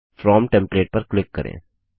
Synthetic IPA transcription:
fɾɔːmʈɛ̃mpleːʈ̚pɐɾklɪkːɐɾḛ̃ː

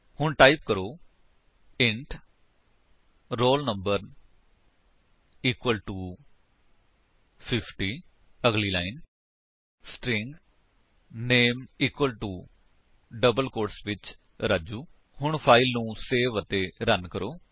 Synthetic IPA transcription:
hʊɳʈaːip̚kəɾoː | ɪɳʈ | ɾoːlnəmbəɾ | iːkwəlʈuː | pʰɪpʰʈiː | əɡliːlaːin | sʈɾɪŋɡ | neːmiːkʋəlʈuː | ɖəbəlkoːʈsʋɪt͡ʃ | ɾad͡ʒuː | hʊɳpʰaːɪlnũːseːʋət̪eːɾənkəɾoː

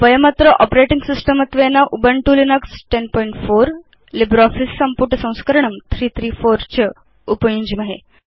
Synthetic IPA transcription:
pɐjɐmɐt̪ɾəʔɔpɾeʈiŋɡsisʈəmət̪ʋenaʔubəɳʈuːlinɐksʈenpɔːiɳʈfoɾ | libɾɔfissɐmpuʈəsɐ̃w̃skəɾɳɐmt̪ʰɾiːt̪ʰɾiːfoɾt͡ɕə | upəjũɲd͡ʑimɐɦe

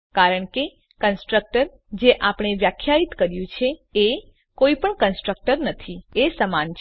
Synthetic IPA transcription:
kaɾəɳke | kənsʈɾək̚ʈəɾ | d͡ʒeʔapɳ̃eʋjakʰjait̪kəɾjũt͡ʃʰee | koipəɳkənsʈɾək̚ʈəɾnət̪ʰiesəmant͡ʃʰ

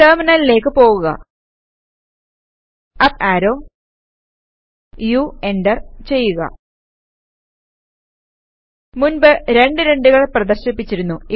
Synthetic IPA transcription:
eːmɐnɐlile̞ːkːɨpo̞ːɣuɣɐ̰ | ɐpaːɾo̞ː | jueɳɖɐrt͡ɕe̞jːuɣɐ̰ | munbɨɾe̞ɳɖɨɾe̞ɳɖuɣɐɭprɐd̪ɐrɕɐpːit͡ɕːiɾunːui

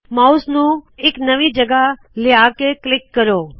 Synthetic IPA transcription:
mausnũeknəʋĩd͡ʒəɡa | leakeklɪkːəɾoː

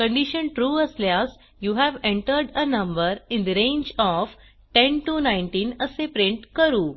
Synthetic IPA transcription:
kə̃ɳɖiʃənʈɾuːəsljas | juːɦæʋẽɳʈəɾɖənə̃mbəɾɪ̃nd̪əɾẽɲd͡ʑɔf | ʈẽnʈunaɪnʈĩːnəsepɾẽɳʈkəɾuː

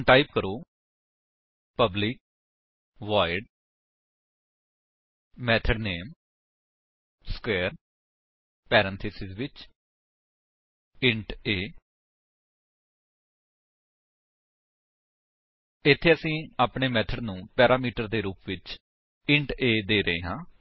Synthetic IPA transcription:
ʈaːipkəɾoː | pəblɪk̚ | ʋaːɪɖ | mɛːt̪ʰəɖneːm | skɛːɾ | pɛːɾə̃nt̪ʰisɪzʋɪt͡ʃ | ɪ̃ɳʈeː | ɪt̪ʰːeːəsĩːaːpɳeːmɛːt̪ʰəɖnũːpɛːɾaːmiːʈəɾd̪eːɾuːpʋɪt͡ʃ | ɪɳʈeːd̪eːɾəeːɦãː

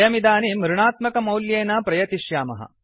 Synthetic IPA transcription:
jɐmid̪aːnimuɾuɳaːt̪mɐkɐmɐwljeːnɐpɾɐjɐt̪iʃjaːmɐ̰ɦɐ̰

